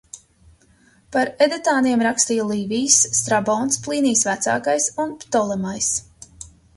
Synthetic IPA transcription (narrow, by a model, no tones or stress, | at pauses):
paɾɛd̪ɛt̪aːniɛmɾakst̪ijlˠiːvʲijsːt̪ɾabɔːnsplˠiːniːsvæt̪sa̰ːkajsunpt̪ɔlˠɛmajs